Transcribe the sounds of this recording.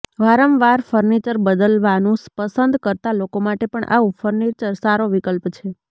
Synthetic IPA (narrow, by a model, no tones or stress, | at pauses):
ʋaɾəmʋaɾfʰəɾnit͡ʃəɾbəd̪əlʋanũspəsənd̪kəɾt̪alokomaʈepəɳʔa̰ʋũfʰəɾnit͡ʃəɾsaɾoʋikəlpt͡ʃʰe